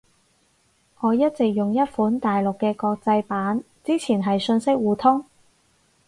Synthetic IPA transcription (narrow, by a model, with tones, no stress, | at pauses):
ŋɔː˨˧jɐ˥t̚t͡sɪ˨k̚jʊ˨ŋjɐ˥t̚fuː˨˥nt̪aː˨jlʊ˨kːɛː˧kɔː˧k̚t͡sɐ˧jpaː˨˥n | t͡siː˥t͡sʰiː˨˩nɦɐ˨jsɵ˧nsɪ˥k̚wuː˨˧t̪ʰʊ˥ŋ